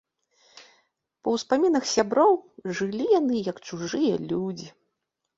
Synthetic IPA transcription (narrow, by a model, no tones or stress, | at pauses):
pɐwspamʲinɐxsʲabɾɔwʐɨlʲijanɨjɐkt͡ʂuʐɨjɐ̰lʲud͡zʲi